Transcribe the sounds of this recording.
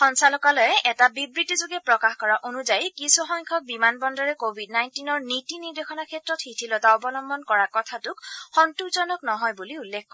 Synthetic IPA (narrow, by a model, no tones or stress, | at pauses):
xɔnsalɔkalɔjɛʔɛtabibɹitizoɡɛpɹɔkaxkɔɹaʔonuzajkisɔxɔŋkʰɔk̚bimanbɔndɔɹɛkobʱidnajntinɔɹnitiniɹdexʰɔnakʰɛtɹɔtxitʰilɔtaɔbɔnɔmbɔnkɔɹakɔtʰatʊkxɔntukzɔnɔknɔɦɔjbuliulːekʰkɔ